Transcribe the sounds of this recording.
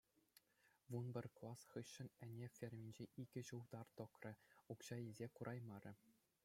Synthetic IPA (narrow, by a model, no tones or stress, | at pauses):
ʋunbʲɘ̆rʲklˠɑsχɯɕːɘ̆nʲɘ̆nʲefʲerʲmʲinʲd͡ʑeʔiɡʲɘ̆ʑuld̪ɑrt̪ɤ̆krʲɘ̆ukɕɑjezʲekuɾʔɑjmɑɾʲʔɘ̆